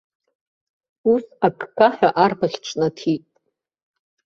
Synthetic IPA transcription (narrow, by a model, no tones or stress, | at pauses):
usakʼɡaħᶣaʔarbaχʲʈ͡ʂʷʰʼnatʰitʼ